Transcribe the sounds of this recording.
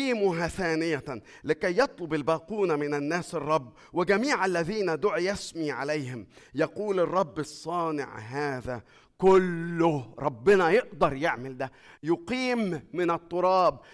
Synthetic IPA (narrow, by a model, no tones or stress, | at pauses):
iːmʊɦaθaːnɪja | lɪkajːɑt̪ˤlʊbɪlbaːquːnamɪnanːaːsɑrˤːɑbː | wɪɡamiːʕalːaðiːnad̪ʊʕjasmiʕa̰lajhɪmjɑquːlɨrˤːɑbːɨsˤːɑːnɪ̰ʕɦaːða | kʊlːʊhɾˤɑbːɪnajɪʔd̪ɑɾˤjɪʕmɪld̪æ | jʊqiːmːɪnɑt̪ˤːʊɾˤɑːb